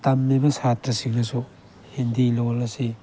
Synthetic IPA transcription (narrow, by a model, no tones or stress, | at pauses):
tɐmːibɐsatɾɐsiɡɐsu | hendilolːɐsi